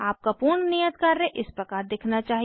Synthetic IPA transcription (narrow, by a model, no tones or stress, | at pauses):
aːp̚kapuːɾnnijət̪̚kaɾːẽʔɪspɾɐkaːɾd̪ɪkʰnat͡ʃaːɦi